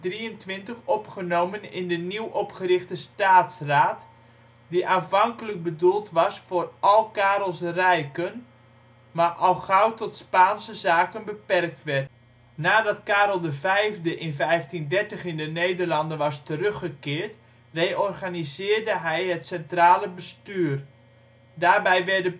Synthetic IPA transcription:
driəntʋɪntəχɔpχənowmənɪ̰ndəniwɔpχərɪxtəstaːtsraːt | diʔaːnfɑŋkələk̚bədulˠtʋɑsfʊːrɑlˠkaːɾəlˠsrɛjkən | maʔɔlˠχawtɔtspaːnsəzaːkənbəpɛrk̚tʋɛrt | naːdɑtkaːɾəlˠdəvɛjvdəʔɪnvɛjftindɛrtəχɪndənejdərlɑndənʋɑstərøxəkɪːɹt | rejʔɔrɣanizɪːrdəɦɛjɦətsɛntraːləbəstyːr | daːrbɛjʋɛrdə

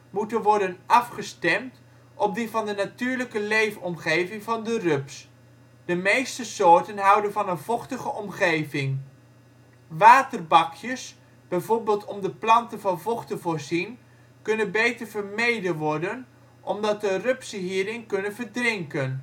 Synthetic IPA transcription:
mutənʋɔɹdənʔɑfχəstɛmt | ʔɔp̚divɑndənatyːɹləkəlejfɔmχejvɪŋvɑndərøps | d̥əmejstəsoːɹtənɦʌwdənvɑnənv̥ɔχtəχəʔɔmχejvɪŋ | ʋaːtərbɑkʰjəs | b̥ɛjvoːɹbɪːlˠtɔmdəplɑntənvɑnvɔχtəvoːɹzin | kɵnənbejtərvəɹmejdəʋɔɹdən | ʔɔmdɑt̚dərøpsəɦiːɾɪŋkɵnənvəɹdrɪŋkən

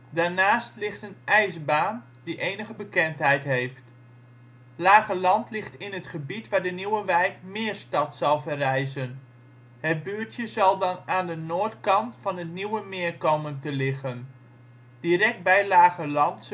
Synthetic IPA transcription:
daːɹnaːstlɪχtənʔɛjzbaːn | diʔejnəɣəbəkɛntɦɛjtɦejft | laːɣəlɑntlɪχtɪnətχəbitʋaːɹdəniwəʋɛjkmɪːɹstɑtsɑlˠvərɛjzən | hət̚byːɹtjəzɑlˠdɑnaːndənoːɹtkɑntfɑnətniwəmɪəɹkowməntəlɪχən | d̥iɾɛk̚t̚bɛjlaːɣəlɑnt

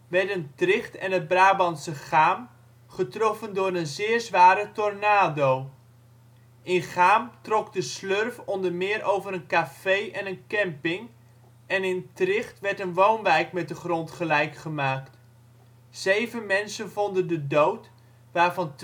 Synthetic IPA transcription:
ʋɛɹtəntrɪχtɛnɦəd̚braːbɑnsəχaːm | χətrɔfəndʊːɾənzɪːɹzʋaːɾətɔrnaːdow | ɪnχaːmtrɔkdəslørfɔndəɹmɪːɾʔowvəɾənkafejʔɛnənkɛmpɪŋ | ɛnɪntrɪχtʋɛɹtənʋownʋɛjkmɛt̚dəχrɔntχəlɛjkχəmaːkt | z̥ejvənmɛnsənvɔndəndədowt | ʋaːɹvɑnt

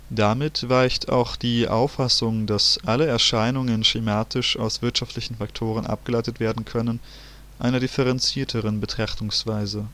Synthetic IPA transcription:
d̥amɪtv̥aɪçtʰa̰ʊxd̥iːʔa̰ʊfːasʊŋdasʔaləɛɐʃaɪnʊŋənʃemaːtɪʃaʊsv̥ɪɐtʃaftlɪçn̩faktʰoːʁ̞ənʔa̰p̚ɡ̥əlaɪtətv̥eːɐdn̩kʰœnən | ʔa̰ɪnɐɾɪfəʁɛnt͡siːɐtʰəʁənbətʁ̥aχtʊŋsv̥aɪzə

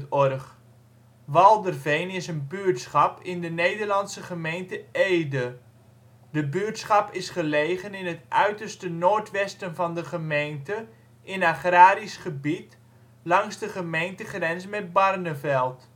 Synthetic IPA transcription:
tɔrχ | ʋɑlˠdərvejnɪsənbyəɹtsχɑpɪndənejdərlɑnsəχəmejntəeːdə | dəbyətsχɑpɪsχəlejχənɪnətʔœɥtərstənoːɹtʋɛstənvɑndəχəmejntə | ʔɪnaχraːɾisχəbit | lɑŋzdəχəmejntəχrɛnsəmɛd̚bɑrnəvɛlˠt

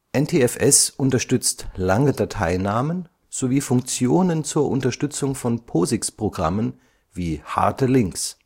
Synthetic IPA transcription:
ʔɛntʰeːɛfɛsʔʊntɐʃtʏt͡stlaŋədatʰaɪnaːmən | z̥oviːfʊŋk̚t͡sjoːnənt͡suːɐʔʊntɐʃtʏt͡sʊŋfɔnpʰoːzɪkspʁ̥oɡʁa̰mən | viːha̰ɐtəlɪŋks

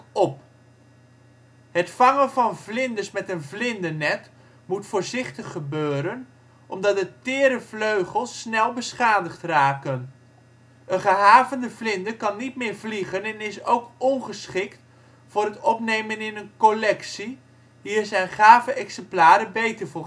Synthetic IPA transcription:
ɔp | ɦətfɑŋənvɑnvlɪndəsmɛtənvlɪndənɛt | mutfʊːɹzɪχtəχːəbøːɾən | ʔɔmdɑt̚dətɪːɾəvløɥχəlˠsːnɛlˠbəsχaːdəχtraːkən | ʔənχəɦaːvəndəvlɪndəkɑnːit̚mɪːɹvliχənɛnɪsowkɔnχəsχɪkt | fʊːɾɦətɔpnejmənɪnənkɔlɛksi | ɦiːɹzɛjnχaːvəʔɛksɛmplaːɾəbejtəɹvʊː

